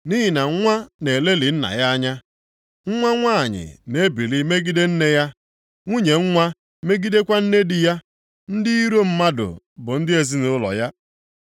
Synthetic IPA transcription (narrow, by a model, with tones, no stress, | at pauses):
ni˦ɦɪ˨na˨ŋ̩˦ŋʷa˦ne˨e˨le˦li˨n̩˦na̰˨ja˦a˦ɲa˦ | ŋ̩˦ŋʷa˦ŋʷa˦a˨ɲɪ̰˨ne˦bi˨li˦me˦ɡi˦de˦n̩˦ne˦ja˦ | ŋʷu˦ɲe˨ŋ̩˦ŋʷa˦ | me˦ɡi˦de˦kʷa˦n̩˦ne˦dɪ˨ja˦ | n̩˦dɪ˦i˦ɾo˦m̩˦ma˦dʊ̰˨ | bʊ˨n̩˦dɪ˦e˨zi˦nʊ˦ʊ˦lɔ̰˨ja˦